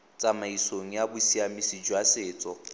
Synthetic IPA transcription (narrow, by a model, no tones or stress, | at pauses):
t͡sʼamaisoŋ̩jabʊsiamisid͡ʒwasɪːt͡sʼɔ